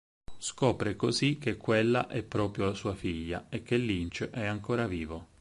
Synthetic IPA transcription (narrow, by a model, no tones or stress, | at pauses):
skɔːpɾekozik̟ːekʰːwelːa̰ʔɛpːɾɔːpɾjolasuːafiʎːa̰ek̟ːelːint͡ʃʔɛaŋkoːɾaviːvo